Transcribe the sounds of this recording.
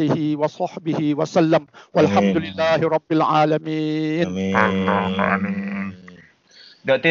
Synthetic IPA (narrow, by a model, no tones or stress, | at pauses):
lɪhɪwɑsˤɑħbɪhɪwasalːamwalħamd̪ʊlɪlːaːɦɪɾˤɑbːɪlʕaːlamiːn | daʔt̪i